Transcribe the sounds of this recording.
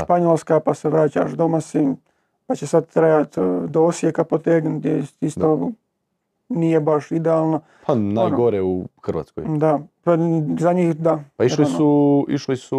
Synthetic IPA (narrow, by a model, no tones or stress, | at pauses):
ʃpaɲoːlˠskapaseʋɾaːt͡ʃa̰ʃd̪omasim | pat͡ɕesad̪̚t̪ɾejat̪d̪oosjekapot̪eːɡt̪esist̪o | nijebaʃid̪eaːlˠno | pʰanaːjɡoɾeuxr̩ʋa̰ːt̪ko̰jd̪apazaɲixd̪apailinsuḭʃlisu